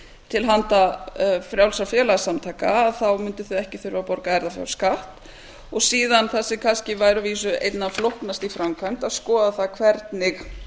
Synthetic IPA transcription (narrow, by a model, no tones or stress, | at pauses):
t̪ʰɪlɦant̪afɾjawlsafjɛːlasamt̪ʰaːjka̰ːðθawmʏnt̪ɪθʏɛhcɪθʏɾvapɔɾkaɛɾðafja̰wskaht̪ | ɔɣsiːðanθɛsɪkʰanscɪvaːjɾʏviːs̬ʏḛjt̪naflohknast̪ifɾamkʰajnt̪aðskɔːðaθaðkʰvɛɾt̪nɪx